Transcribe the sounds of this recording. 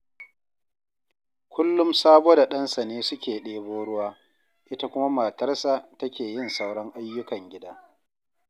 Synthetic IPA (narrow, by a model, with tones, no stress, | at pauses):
kʷʊ˦lːʊ˦msaː˦boː˦da˨ɗɐ˦nsa˨neː˦sʊ˦kʲeː˨ɗeː˦boː˦ɽʊ˦waː˦ | ʔɪ˦ta˦kʷʊ˦ma˦maː˨tɐ˦rsa˨tɐ˦kʲeː˨jɪ˦˨nsa˦wɽɐ˦ŋʔa˦jːʊ˦kɐ˨ŋɡʲɪ˦daː˦